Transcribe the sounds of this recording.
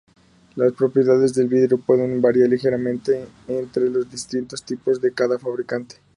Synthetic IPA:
laspɾo̞pɾje̞ðaðe̞zðe̞lβiðɾeo̞pwe̞ðe̞nbaɾjaɾlixe̞ɾamẽnt̪e̞ːnt̪ɾe̞lo̞zðist̪int̪o̞st̪ipo̞zðe̞kaðafaβɾikant̪e̥

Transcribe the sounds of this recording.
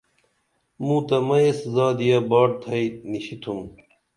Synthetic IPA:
mũːt̪ɐmɐeszaːd̪ijabaːɽ̚t̪ʰɐiniɕit̪ʰum

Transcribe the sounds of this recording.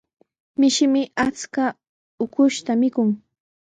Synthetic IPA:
mɪʃɪmɪat͡ska | ʊkʊʃt̪amɪkʊŋ

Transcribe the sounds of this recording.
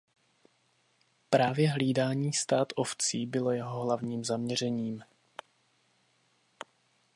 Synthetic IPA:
pɾaːvjɛɦliːdaːɲiːst̪aːt̪ʔo̞ft͡siːbɪlo̞jɛɦo̞ɦlavɲiːmzamɲɛrɛɲiːm

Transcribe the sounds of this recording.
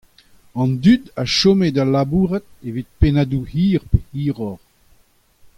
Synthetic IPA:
ɑ̃nd̪yd̪a̰ʃomed̪alabuːʁɛt̪̚evit̪̚penad̪uhiːʁpehiːʁɔʁ

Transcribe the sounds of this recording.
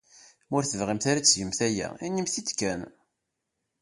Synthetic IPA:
ʊɾθəvʁimθaɾat͡sːʝəmθæjæ̰inimθit͡s̪ːkæn

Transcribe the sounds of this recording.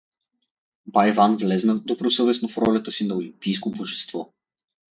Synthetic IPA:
bajvanvlɛznəd̪obɾosɤvɛsnofɾɔlʲɐt̪əsinɐolimpijs̬koboʒɛst̪vɔ

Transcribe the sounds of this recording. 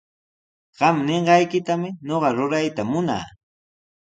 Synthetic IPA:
ɢ̥ɑmneɴɢɑjkɪt̪amɪɲoɢɑɾʊɾajt̪amʊna̰ː

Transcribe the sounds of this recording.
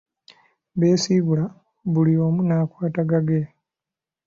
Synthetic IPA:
βe̞ːsiβula | βulio̞ːmunaːkwaːtaɡaɡe

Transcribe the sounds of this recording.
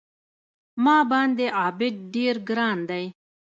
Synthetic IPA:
mɑːbɑnd̪eʔɑːbɪd̪̚ɖeɾɡɾɑːnd̪aj

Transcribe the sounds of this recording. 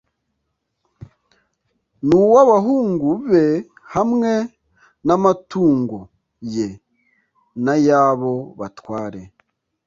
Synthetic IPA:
nuwaβaɦuːŋɡuβe̞ | hamŋe̞ | namatuːŋɡo | je | najaːβo̞βatwaːɾe̞

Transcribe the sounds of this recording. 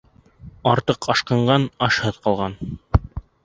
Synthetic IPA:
ɑɾt̪ɤqɑʃqɑ̆ɴɢɑnɑʃhɤðqɑlˠʁɑn

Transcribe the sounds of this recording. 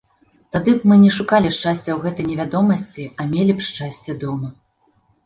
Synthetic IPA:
t̪ad̪ɨbmɨnʲɛʂukalʲiʂt͡ʂasʲt͡sʲɛwɣɛt̪ɐjnʲɛvʲad̪ɔmɐsʲt͡sʲiɐmʲelʲipʂt͡ʂasʲt͡sʲɛd̪ɔmɐ

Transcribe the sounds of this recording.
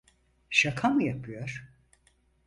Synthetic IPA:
ʃakʰamɯjapʰɯjoɾ̥

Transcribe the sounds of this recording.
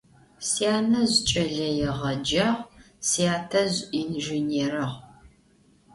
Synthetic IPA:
siaːnɐʑt͡ʃʼɐɮɐjɛʁɐd͡ʒaːʁ | siaːtʰɐʑinʒineːrɨʁ

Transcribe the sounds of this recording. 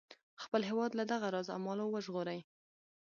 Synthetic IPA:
xpəlɦewɑd̪lad̪aɣaɾɑza̰mɑlowəʒɣoɾaj

